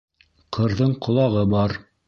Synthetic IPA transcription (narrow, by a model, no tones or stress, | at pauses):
qʰɤ̆ɾðɤɴqŏlˠɑʁɤbɑɾ